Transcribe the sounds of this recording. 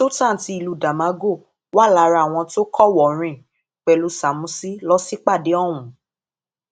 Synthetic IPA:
so˦tã˦˨ti˧i˨lu˨da˨mã˨˦ɡo˦˨ | wa˦˨la˨˧˦ɾa˧˨w̃ɔ̃˧to˦kʰɔ˦˨wɔ˨ɾ̃ĩ˧ | k͡pɛ˨lu˧˦sa˨mũ˨˦si˦lɔ˦si˦k͡pa˦˨de˨˦ɔ˦˨w̃ũ˨˦

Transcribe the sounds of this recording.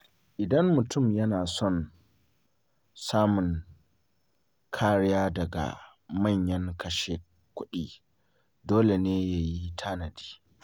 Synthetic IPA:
ʔɪ˨dɐ˦mːʊ˨tʊ˦˨mjɐ˦naː˨sɔ˦˨n | saː˦mʊ˨ŋ | kʰaː˦ɽɪ˦jaː˦dɐ˨ɡa̰˨ | mɐ˦˨ɲjɐ˦ŋkɐ˨ʃe˦ | kʷʊ˦ɗiː˨ | doː˦le˨neː˦ja˦ji˦tʰaː˦nɐ˨di̥ː˦

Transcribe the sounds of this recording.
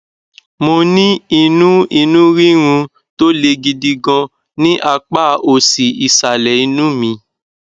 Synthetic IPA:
mo˧nĩ˦i˧nũ˦i˧nũ˦ɾi˦ɾ̃ũ˧ | to˦le˧ɡi˧di˧ɡɔ̃˧ | nĩ˦ʔa˧k͡pa˦˨o˦˨si˨i˨sa˨lɛ˨i˧nũ˦mĩ˧

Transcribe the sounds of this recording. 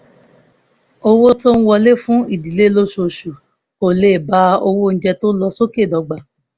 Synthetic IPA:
o˧wo˦to˦n̩˦wɔ˧le˦fũ˦i˦˨di˨le˦lo˦ʃu˧o˧˨ʃu˨ | o˨le˨ba˨˦o˧wo˦ñ̩˦d͡ʒɛ˧to˦lɔ˧so˦ke˦˨dɔ˨˧ɡ͡ba˨

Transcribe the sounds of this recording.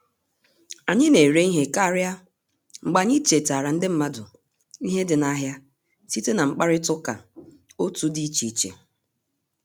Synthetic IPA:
a˨ɲɪ˦ne˨ɾe˦i˦ɦe˦ka˦ɾja˦ | ŋ͡m̩˨ɡ͡ba˨ɲi˦t͡ʃe˨ta˨ɾa˨n̩˦dɪ˦m̩˦ma˦dʊ˨ | i˦ɦe˦dɪ˨na˦ɦja˦ | si˦te˦na˨ŋ͡m̩˨k͡pa˦ɾɪ˦tʊ˦ka̰˨ | o˦tu˦di˦t͡ʃi˨t͡ʃḛ˨

